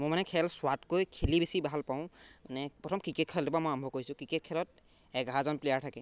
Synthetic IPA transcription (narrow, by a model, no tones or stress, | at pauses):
mõmanɛkʰɛlswatkojkʰelibesibaɦalpaʊ̃nɛpɹɔtʰɔmkɹiket̚kʰɛldibamojambʱɔkoisʊ̃kɹiket̚kʰɛlɔt̚ | ɛɡʱaɦazɔnplejaɹtʰakɛ